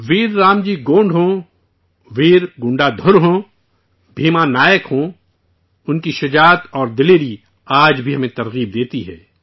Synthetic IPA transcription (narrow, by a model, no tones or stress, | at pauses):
ʋiːɾːaːmd͡ʒiːɡõːɳɖɦõː | ʋiːɾɡʊ̃ɳɖad̪ʱʊɾɦõː | bʱiːmanaːjəkɦõː | ʊnkiʃɐd͡ʒaːt̪ɔːɾd̪ɪleːɾi | aːd͡ʒbʱiɦɐmẽt̪ɐɾɣiːb̚d̪eːt̪iɦɛ̰ː